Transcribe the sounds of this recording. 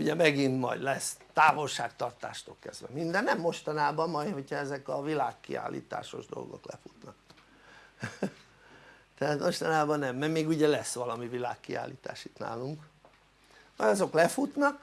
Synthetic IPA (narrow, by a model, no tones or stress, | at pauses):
uɟɛmɛɡint̪mɒ̰jd̪lɛst̪aːvo̞lʃaːkt̪ɒrt̪a̰ːʃt̪olkɛzd̪ʋɛ̰mind̪ɛnːɛmːo̞ʃt̪ɒnaːbɒmmɒjho̞cʰhɒɛzɛkɒvilaːkːḭa̰ːlʔḭːt̪a̰ːʃo̞̰ʒd̪o̞̰lɡo̞̰klɛ̰fut̪nɒk | t̪ɛaːt̪mo̞ʃt̪ɒnaːbɒnɛmːɛmeːɡuɟɛlɛsːʋɒlɒmivilaːkːia̰ːliːt̪a̰ːʃit̪na̰ːluŋk | mɒjɒzo̞klɛfut̪nɒk